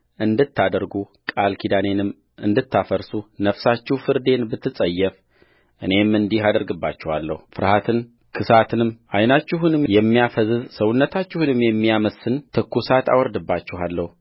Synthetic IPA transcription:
ʔɨnd̪ɨt̪ʰːad̪əɾɡukʼalkʰid̪ane̞nɨm | ʔɨnd̪ɨt̪ʰːafəɾsunəfsat͡ʃːɪhfɨɾd̪e̞nbɨt̪ʰːɨsʼəjːɛf | ʔɨne̞mɨnd̪iɦad̪əɾɡɨbːat͡ʃːɛhalːə̰hufɨɾhat̪ʰɨn | kʰɨsat̪ʰɨnɨmʔajnat͡ʃːɪɦunɨmjɛmːijafəzɨzsəwʊnːət̪ʰat͡ʃːɪhunɨmjɛmːijaməsɨnt̪ʰɨkːusat̪ʰa̰wɔɾd̪ɨbːat͡ʃːɪhalːəhu

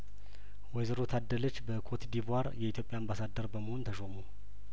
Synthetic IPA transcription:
wɔzəɾot̪ʰad̪ːələt͡ʃːbəkʰot̪d̪ivaɾjɛit̪ʰjo̞pʼjaambasad̪əɾbəməhont̪ʰəʃomu

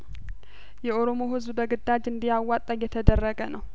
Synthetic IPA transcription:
jɛʔo̞ɾo̞mo̞hɨzbbəɡɨd̪ːad͡ʒɨnd̪ijawːat̪ʼəjjɛt̪ʰəd̪ərːəɡənəw

